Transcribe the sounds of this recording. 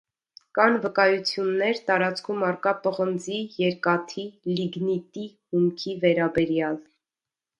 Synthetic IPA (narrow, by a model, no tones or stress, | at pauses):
kɑnvəkɑjut͡sʰjunːɛɾt̪ɑɾɑt͡skʰumɑrkɑpəʁənd͡zijɛɾkɑt̪ʰiliɡnit̪ihumkʰivɛɾɑbɛɾjɑl